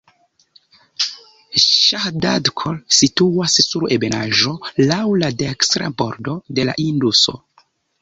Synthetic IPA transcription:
ʃahda̰dkʰolsituassuɾebenaʒo̞lawladekstɾa̰bo̞̰ɾdo̞de̞la̰ʔinduso̞̰

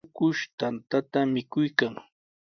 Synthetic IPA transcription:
kʊʃt̪ant̪at̪amɪkʊjkaŋ

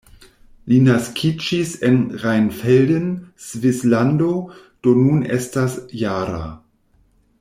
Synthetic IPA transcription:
linaskʰid͡ʒisenʁajnfeldənsvislando̞ | d̥o̞nunḛstasjaːɾa̰

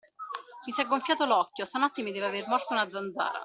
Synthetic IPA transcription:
kisaɡːoɱfjaːt̪olɔkːjost̪amat̪ːimid̪ɛːveavermɔrsounad̪zːand̪za̰ːɾa̰

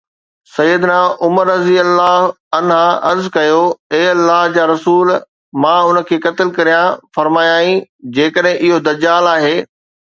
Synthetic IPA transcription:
sɐjəd̪naːʔʊməɾːɐziəlːaːɦ | ɐnɦãʔɐɾzkɐjoeːɐlːaːɦd͡ʑaːɾɐsuːl | mãːʊnə̆kʰeːkɐt̪ɪlkɐɾijãfɐɾmaːjaːĩd͡ʑeːkəɗɦɪ̃ʔɪɦod̪ɐd͡ʑaːlaːɦeː

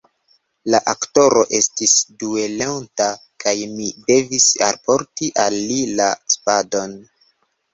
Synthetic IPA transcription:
laʔakto̞ɾo̞ʔe̞stisdue̞lewnta | kajmide̞visa̰lpo̞ɾtiʔalːilaspado̞n

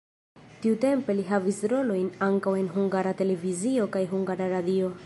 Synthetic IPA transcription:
tiute̞mpe̞liɦavisɾo̞lo̞jnaŋkawe̞nɦuŋɡaɾate̞le̞vizio̞kajɦuŋɡaɾaɾadio̞

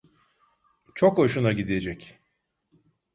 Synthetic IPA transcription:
t͡ʃʰokoʃunaɟid̪ied͡ʒɛc

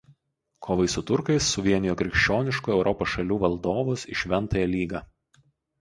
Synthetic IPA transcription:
kʰoːʋɐɪsʊt̪ʊɾkɐɪsːʊʋʲiɛnʲɪjoːkʲɾʲɪkʃʲt͡ʃʲoːnʲɪʃkuːɛʊɾʔɔpoːsʃɐlʲuːʋɐlˠd̪oːʋʊsɪʃʲʋʲɛnˑt̪ɐːjɛlʲiːɡɑː

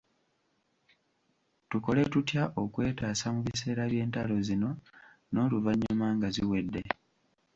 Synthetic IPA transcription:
tuko̞le̞tutjaʔo̞kwe̞ːtaːsamuβise̞ːɾaβje̞ːntalo̞zino̞ | no̞ːluvaɲːamaŋɡaziwe̞dːe

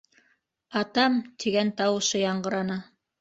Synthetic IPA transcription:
ɑt̪ɑmt̪ʰiɡænt̪ɑwɤ̆ʃɤjɑɴɢɤ̆ɾɑnɤ

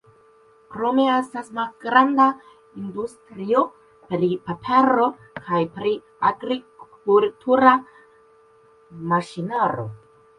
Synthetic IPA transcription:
kɾo̞me̞estasmalɡɾanda | ind̪ustɾio̞ | pɾipapʰeɾo̞ | kʰajpɾi | aɡɾi | ultʰuɾa | maʃinaɾo̰

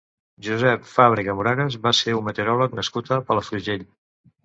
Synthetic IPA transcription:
ʒuzɛpfaβɾiɣəmuɾaɣəzβaseunmət̪əɾɔləknəskut̪əpələfluʒeʎ

